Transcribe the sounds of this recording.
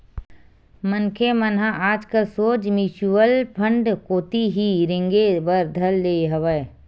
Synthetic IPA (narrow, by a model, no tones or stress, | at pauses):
mənkʰemənɦaʔaːd͡ʒkəsoːd͡ʒmit͡ʃuwəlpʰə̃ɳɖkoːt̪iɦiɾɪ̃ŋɡebəɾd̪ʱəlːeːɦɐʋəe